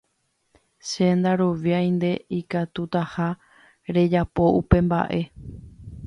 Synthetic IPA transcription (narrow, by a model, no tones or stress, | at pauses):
ʃe̞nd̪aɾo̞ʋjaj̃nd̪e̞ikat̪ut̪aha | ɾe̞d͡ʒapo̞ʔupẽ̞mba̰ʔe̞